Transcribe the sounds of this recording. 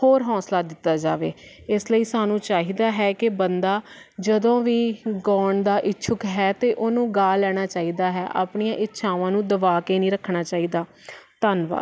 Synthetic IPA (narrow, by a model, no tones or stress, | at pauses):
hoːɾɦɔ̃ːslaːd̪ɪt̪ːaːd͡ʒaːʋḛː | ɪsləiːsaːnũːt͡ʃaːɦiːd̪aːɦɛːkɪbənd̪aːd͡ʒəd̪õːʋiːɡɔːɳd̪aːʔɪtːʃʰʊkɦɛːt̪eːʔoːnũːɡaːlɛːɽ̃aːt͡ʃaːiːd̪aːɦɛːʔa̰ːpɳijãːʔɪtːʃʰãːʋãːnũːd̪əʋaːkeːnĩːɾəkʰːɳaːt͡ʃaːiːd̪aː | t̪anʋa̰ː